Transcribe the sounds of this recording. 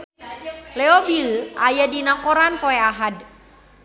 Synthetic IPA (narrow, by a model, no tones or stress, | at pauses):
lɛɔbilʔajadinakɔɾanpoɛaɦad